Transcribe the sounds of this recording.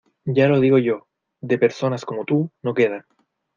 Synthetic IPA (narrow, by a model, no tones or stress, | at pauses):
ɟ͡ʝalo̞ð̞iɣo̞ʝo̞ | d̪e̞pe̞ɾso̞nasko̞mot̪uno̞ke̞ð̞a